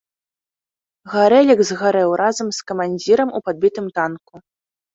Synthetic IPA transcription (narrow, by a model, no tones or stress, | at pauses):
ɣaɾɛlʲiɡzɣaɾɛwɾʔazɐmskɐmanʲd͡zʲiɾɐmupad̪̚bʲit̪ɨmt̪anku